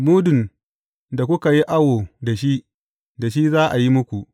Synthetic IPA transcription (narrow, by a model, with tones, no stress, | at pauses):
muː˦dʊ˨n | da˨kʷʊ˦ka˨ji˦ʔa˦woː˨da˨ʃi˦ʔ | da˨ʃi˦zaː˦ʔa˨ji˦mʊ˦kʷu˨ʔ